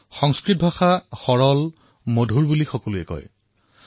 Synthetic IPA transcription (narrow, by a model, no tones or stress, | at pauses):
xɔŋskɹit̚bʱaxaxɔɹɔl | modʱuɹbulixɔkoluɛkɔ̰j